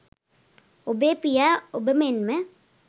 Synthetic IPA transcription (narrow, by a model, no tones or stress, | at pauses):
obepijaobemenme